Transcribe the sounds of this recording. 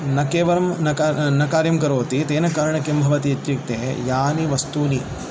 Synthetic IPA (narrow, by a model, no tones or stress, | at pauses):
nɐkeːʋɐɾɐmnɐkanɐkaːɾjɐmkɐɾoːt̪it̪eːnɐkaːɾɐɳɐkembʱɐʋɐt̪iɐt̪jɐk̚t̪eːjaːniʋɐst̪uːni